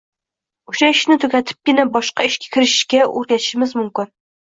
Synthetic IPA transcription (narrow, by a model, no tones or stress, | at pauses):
uʃɛiʃnɪt̪ʰøkʲɛt̪ʰɪ̥p̚kʲɪnɛbɒʃqɑiʃkʲʰɛ̥kʲʰiɾɪʃɪ̥ʃkʲɛʔo̰ɾɡʲɛ̥ʃɪmɪzmumkʲɪn